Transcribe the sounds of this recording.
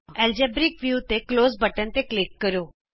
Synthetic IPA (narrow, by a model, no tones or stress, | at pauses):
ɛːld͡ʒɛːbɾɪkʋjuːt̪ekloːzbəʈənt̪eːklɪkːəɾoː